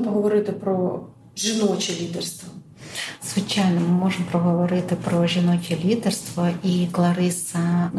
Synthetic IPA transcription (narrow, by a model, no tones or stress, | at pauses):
mpɔɦɔʋɔɾɪt̪ɪpɾɔ | ʒɪnɔt͡ʃʲilʲid̪ɛrst̪ʋɔ | zʋɪt͡ʃajʲnɔmɪmɔʐɪmpɾɔɦɔʋɔɾɪt̪ɪpɾɔʒʲinɔt͡ʃʲilʲid̪erst̪ʋɔiklˠɐɾɪsɐ